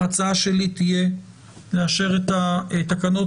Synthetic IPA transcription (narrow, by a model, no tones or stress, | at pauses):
at͡saaʃe̞lit̪ije̞ | leaʃe̞ʁet̪aet̪akano̞